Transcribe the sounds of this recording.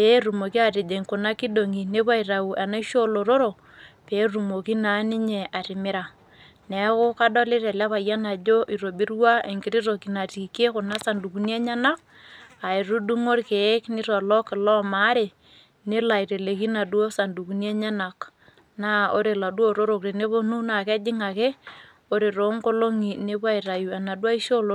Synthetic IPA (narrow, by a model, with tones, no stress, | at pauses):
pe˦ru˨mo˨ki˦a˨tɪ˨d͡ʒe˨ŋkʊ˨na˦ki˦do˨ŋi˨ne˦pa˦i˨ra˨u˨ʔa˨na˦ʃo˦lo˨ɾo˦ɾo˨ | pe˨˦ru˨mo˨ki˦na˨˦nɪ˦ɲe˨ʔa˨ɾɪ˨mɪ˦ɾa˨ | nɛ˨˦kʊ˦ka˦dɔ˦lɪ˦ɾe˨lɛ˦pa˨ja˦na˨d͡ʒo˦ʔi˨ɾo˨bi˦ɾwa˦e˨ŋkɪ˦ɾi˦ɾo˨ki˨na˨ti˨ke˦kʊ˨na˦sa˨ndu˨ku˨˦nje˦ɲa˦na˦k̚ | a˨ɪ˨ɾu˦du˦ŋo˦ɾke˨˦knɪ˦ɾɔ˨lɔ˦kɪ˨lɔ˦ma˦ɾe˨ | ne˦la˨ɪ˨ɾe˨le˨ki˦na˨dwo˦sa˨ndu˨ku˨nje˦ɲa˦na˨k | na˦o˦ɾe˨la˨du˦o˦˨ɾo˦ɾo˨kɾe˨ne˦bo˦nu˦na˨kɛ˦d͡ʒɪ˦ŋa˨ke˦ | o˦ɾe˨ɾo˨˦ŋko˦lo˦ŋi˨ne˦ba˦i˨ɾa˨ju˨a˨na˨dwa˦i˦ʃo˦lo˦